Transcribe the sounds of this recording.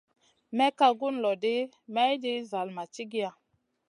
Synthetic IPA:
mɛ˦ka˨ɡu˦nlɔ˨de˦ | mɛ˦jdi˦za˨lma˨t͡ʃi˦ɡi˦a˨

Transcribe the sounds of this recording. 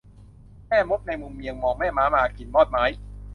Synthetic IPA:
mɛː˥˩mo˦˥p̪̚na˧jmu˧mːi˧əŋmɔː˧ŋmɛː˥˩maː˦˥maː˧ki˨˩nmɔː˥˩t̪̚maː˦˥j

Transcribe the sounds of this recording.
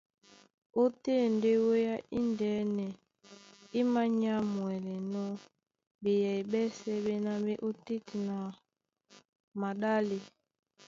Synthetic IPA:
o˦te˦˨nde˦wo˦ja˦ʔi˦ndɛ˨˦nɛ˨ | i˦ma˦ɲa˦mwɛ˨lɛ˨nɔ˦ | be˨jɛ˨i˨bɛ˦sɛ˦be˦na˦be˦ʔo˦ti˦ti˨na˨ | ma˨ɗa˦li˨

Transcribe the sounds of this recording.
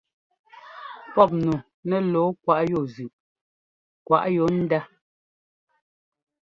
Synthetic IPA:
pɔ˦˨p̚nu˨ | nɛ˦lɔː˨˦kwa˦˨ʔjo˦˨zʉ˨ʔ | kwa̰˨ʔjo˨˦n̩˦da˦

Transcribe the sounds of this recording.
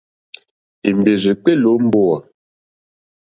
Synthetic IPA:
i˨m˨be˨zi˨k͡pe˦lo˨˦m̩˦bo˦˨a˨

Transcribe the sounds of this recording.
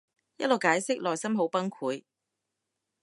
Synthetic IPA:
jɐ̰˥lo˨wkaː˨˥jsɪ˥k̚lɔː˨jsɐ˥mɦo˨˥wpɐ˥nkʰuː˨˥j

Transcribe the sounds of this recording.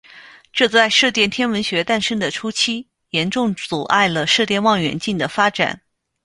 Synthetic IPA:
ʈ͡ʂɤ˥˧t͡sa˥˧ɪʂɤ˥˧t̪jɛ˥˩nt̪ʰjɛ˥nwə˧˥nɕɥɛ˧˥t̪a˥˩nʂə˥ŋd̪ə˨ʈ͡ʂʰu˥t͡ɕʰi˥ | jɛ˧˥nʈ͡ʂʊ˥˩ŋt͡su˨˩ʔa˥˩ɪlə˩ʂɤ˥˧t̪jɛ˥˧nwɑ˥˩ŋɥɛ̰˧˥nt͡ɕi˥˩nd̪ə˩fa˥ʈ͡ʂa̰˨˩˦n

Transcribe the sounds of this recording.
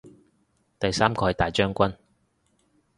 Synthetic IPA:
t̪ɐ˨jsaː˥mkʰɔː˧˥jt̪aː˨jt͡ʃœː˥ŋkʷɐ˥n

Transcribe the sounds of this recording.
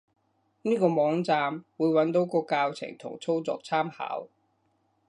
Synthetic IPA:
niː˥kɔː˧mɔː˨˥ŋt͡saː˧mwuː˨˧jwɐ˨˥nt̪o˨˥wkɔː˧kaː˧wt͡sʰɪ̰˨˩ŋt̪ʰʊ̰˨˩ŋt͡sʰo˥wt͡sɔ̰ː˨˧k̚t͡sʰaː˥mha̰ː˨˥w

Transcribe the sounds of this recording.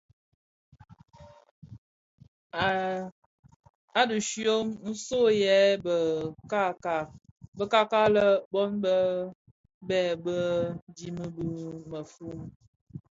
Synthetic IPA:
a˦du˨ʃjo˦mn̩˦so˦jɛ˨˦bə˨ka˦ka˨bə˦ka˦ka˦lə˦bɔ˦nbə˦ | bɛ˦˨bə˦di˦mə˦bu˦mə˨fu˦m

